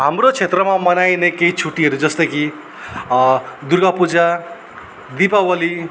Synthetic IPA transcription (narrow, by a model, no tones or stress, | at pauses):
ɦamrot͡sʰet̪rʌmamʌnajnekeit͡sʰuʈiɦʌɾud͡zʌst̪ʌki | d̪urɡapud͡za | d̪ipawʌli